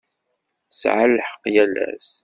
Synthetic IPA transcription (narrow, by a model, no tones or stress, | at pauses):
sʕəlːħə̥qːjælæ̰s